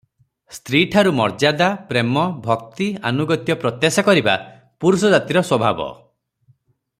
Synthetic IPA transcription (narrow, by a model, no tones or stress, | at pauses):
st̪ɾiʈʰaɾumɔɾd͡ʒad̪apɾemɔbʱɔkt̪ia̰nuɡɔt̪jɔpɾɔt̪jesɔkɔɾiba̰ | puɾusɔd͡ʒat̪iɾɔswɔbʱabɔ̰